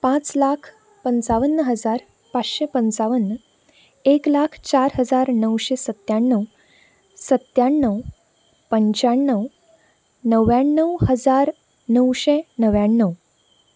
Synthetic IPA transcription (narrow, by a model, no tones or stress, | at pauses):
pãt͡slakʰ | pənt͡saʋənːəɦəd͡zaɾ | pat͡sɕepənt͡saʋənːə | eklakʰt͡ɕaɾɦəd͡zaɾnəwɕesət̪jaɳːəw | sət̪jaɳːəw | pəɲt͡ɕaɳːəw | nəʋjaɳːəwhəd͡zaɾ | nəwɕenəʋjaɳːəw